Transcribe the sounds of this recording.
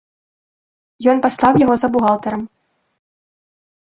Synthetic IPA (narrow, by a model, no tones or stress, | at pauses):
jɔnpaslˠawjaɣɔzɐbuɣalˠt̪ɐɾɐm